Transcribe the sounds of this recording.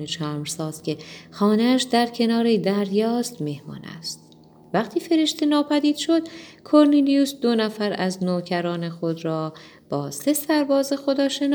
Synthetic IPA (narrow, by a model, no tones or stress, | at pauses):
et͡ʃʰæːmɾsɒːz̥cʲʰe̞xɒːneæʃd̪æɾcʰe̞nɒːɾed̪æɾjɒːst̪me̞hmɒ̰ːnæ̰st̪̚ | væχt̪ʰiːfe̞ɾe̞ʃt̪ʰe̞nɒːpʰæd̪iːd̪̥ʃo̞d̪̥̚kʰo̞ɾnelijusd̪o̞næfæɾæznoːcʰæɾɒːne̞xo̞d̪ɾɒː | b̥ɒːse̞sæɾbɒːzexo̞d̪ɒːʃe̞nː